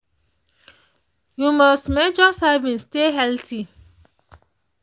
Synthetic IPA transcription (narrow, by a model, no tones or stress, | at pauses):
jumɔstmɛd͡ʒɔsavĩnsteɦɛltʰi